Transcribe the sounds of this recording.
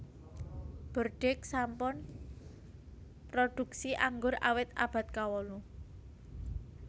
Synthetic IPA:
b̥ərɖ̥ɛk̚sampʊn | pɾod̪̥ṳk̚siʔaŋɡʊrʔa̰wɪt̪̚a̰b̥a̤t̪̚kawɔlu

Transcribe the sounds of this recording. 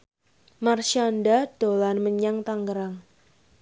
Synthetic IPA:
marʃanɖad̥o̤lanməɲaŋt̪aŋɡəɾaŋ

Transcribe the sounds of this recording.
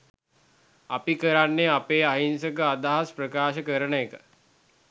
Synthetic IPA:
a̰pikəɾanːeapeːaɦinsəkəad̪aɦasprəkaːʃəkəɾənəekə

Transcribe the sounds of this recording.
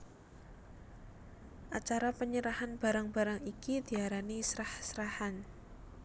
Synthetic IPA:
ʔat͡ʃaɾapəɲəɾahanb̥a̤ɾaŋba̤ɾaŋikid̪̥i̤aɾanisɾahsɾahan

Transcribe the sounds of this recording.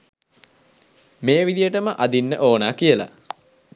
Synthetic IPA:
meːʋid̪ijəʈəməʔad̪inːə̰ʔoːnaːkijəla̰

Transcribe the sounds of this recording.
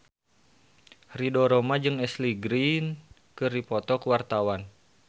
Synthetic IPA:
ridɔɾɔmad͡ʒɨŋɛsliɡɾin | kɨrdipɔt̪ɔkwart̪awan

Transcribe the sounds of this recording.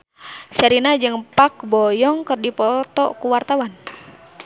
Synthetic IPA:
səɾinad͡ʒɨŋpak̚bɔjɔŋkərdipɔt̪ɔkuwart̪awan

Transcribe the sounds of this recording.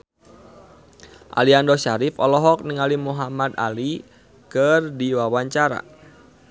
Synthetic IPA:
ʔa̰liandɔʃaɾifɔlɔɦɔk̚niŋalimuɦamad̪a̰li | kərdiwawaɲt͡ʃaɾa̰

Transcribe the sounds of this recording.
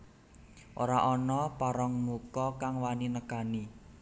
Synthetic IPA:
ʔoɾaʔɔnɔpaɾɔŋmukɔkaŋwaninəkani

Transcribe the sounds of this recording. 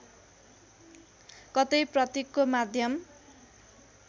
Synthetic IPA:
kʌt̪ʌjprʌt̪ikːomad̪ʱjʌm

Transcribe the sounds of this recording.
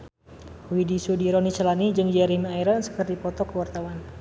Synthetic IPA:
widisudiɾɔnit͡ʃəlanid͡ʒɨŋd͡ʒaɾimaiɾansə̥kərd̪ipɔt̪ɔkəwart̪awan

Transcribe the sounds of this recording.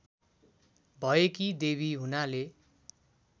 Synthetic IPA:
bʱʌekid̪eβiɦunale

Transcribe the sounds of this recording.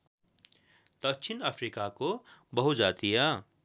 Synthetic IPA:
d̪̥əkt͡ʃʰɪnəpʰɾikakobəɦʊt̪d͡ʒaːt̪ija

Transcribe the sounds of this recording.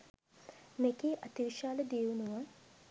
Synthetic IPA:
mekeːʔɐt̪iʋiʃaːləd̪iunuʋaŋ

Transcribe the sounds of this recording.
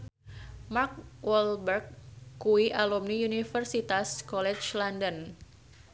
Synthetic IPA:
mark̚wɔlbərk̚ːuiʔalumniunifərsit̪askɔlɛt͡ʃlandən

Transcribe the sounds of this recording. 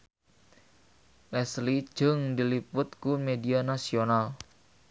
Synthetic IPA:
ʔɛslid͡ʒ̥ɨŋdilipʊt̪̚kumedianasional

